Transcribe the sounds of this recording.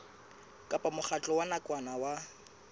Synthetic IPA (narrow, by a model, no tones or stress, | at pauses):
kʼapʼamʊχat͡ɬʼɔwanakʼwanawa